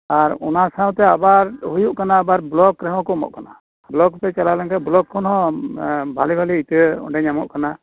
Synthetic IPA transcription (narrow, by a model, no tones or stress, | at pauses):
aɾɔ̰nasaw̃t̪ɛabaɾɦujuʔkanaːbaɾblɔkɾɛɦɔ̃kɔmɔ̰ʔkana̰ | blɔkpɛt͡ʃalalaŋkablɔkʰːɔnɦɔ̃ | bʱalibʱaliit̪əɔ̰ɖɛɲamɔʔkana